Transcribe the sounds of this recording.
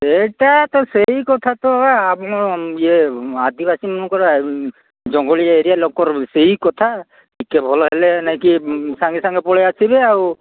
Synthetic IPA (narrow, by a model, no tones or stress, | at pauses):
etat̪ɔsejkɔt̪ʰat̪ɔabɔɔiɛad̪ibasimɔnukɔɾ | d͡ʒɔŋɡɔlijaeɾijalɔkɔɾsejkɔt̪ʰa | bikɛbʱɔlɔɦɛlɛnajkisaŋɡisaŋɡɛpɔɭɛasibɛau